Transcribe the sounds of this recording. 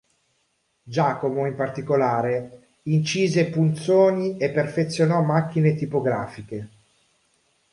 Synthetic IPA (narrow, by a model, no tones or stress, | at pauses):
d͡ʒaːkomoimpart̪ikolaːɾe | int͡ʃiːzepunt̪soːniepːerfet̪sːjonɔmːak̟ːinet̪ipoɡɾaːfike